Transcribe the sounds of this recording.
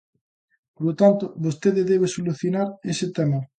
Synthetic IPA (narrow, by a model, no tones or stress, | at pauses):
poɾlot̪ant̪oβost̪eðeðeβ̞esoluθjonaɾeset̪ɛma